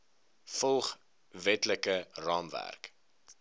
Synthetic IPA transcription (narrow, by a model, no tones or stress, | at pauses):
fɔlˠχ | vɛtləkərɑːmvæ̰rk